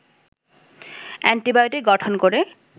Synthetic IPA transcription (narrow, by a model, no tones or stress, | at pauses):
ɛɳʈibajoʈiɡɔʈʰonkoɾe